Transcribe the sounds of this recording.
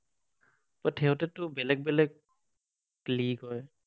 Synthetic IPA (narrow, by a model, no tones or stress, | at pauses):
pɔtʰɛɦʊtɛtʊbɛlɛɡ̚bɛlɛk̚ | liɡɔj